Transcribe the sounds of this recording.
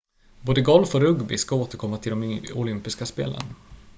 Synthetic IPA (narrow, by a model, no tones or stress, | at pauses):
boːd̪əɡɔlfɔɾɵɡbɪskaoːt̪əɾkʰɔmːat̪ʰɪld̪ɔmɔlʏmpɪskaspḛːlə̰n